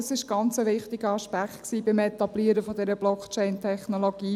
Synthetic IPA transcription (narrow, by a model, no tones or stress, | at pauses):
sɪʃɡ̥ɑnt͡səvɪχtɪɡ̥əɑʃpæktksiːbɪmɛt̪ɑb̥liəɾəfɔd̪ɛɾəblɔkt͡ʃɛɪntʰɛχnoloɡ̥iː